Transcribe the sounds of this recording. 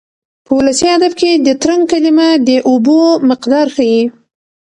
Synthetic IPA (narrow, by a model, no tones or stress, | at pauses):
pəwʊlasiad̪afked̪ət̪ɾaŋɡ̚kalimad̪əʔobomɪqd̪ɑɾxaji